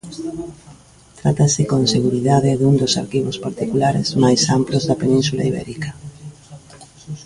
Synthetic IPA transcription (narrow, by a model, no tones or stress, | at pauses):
t̪ɾat̪asɪkõnseɣuɾiðaðɪðuŋd̪osa̰ɾkiβospaɾt̪ikulaɾɪ̰zmajsamplozðɐpenĩnsula̰iβɛ̰ɾikɐ